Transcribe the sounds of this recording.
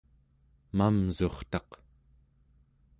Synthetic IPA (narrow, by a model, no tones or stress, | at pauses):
mamzo̞χt̪ɑq